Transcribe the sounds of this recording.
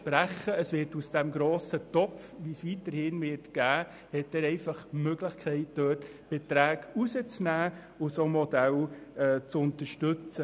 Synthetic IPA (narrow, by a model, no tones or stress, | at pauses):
pɾæχəəsʋɪːɾtusd̥ɛmɡɾoːsət̪ɔpfʋisʋitəɾhɪnʋɪːɾtɡ̥æː | hɛtɛːɾɛɪfɑχmøɡləχkʰɛɪt̚d̥øːt | b̥etɾæːɡusət͡snæː | ʊsomɔd̥̪ælɛːt͡sʊnt̪əɾʃtɵt͡sə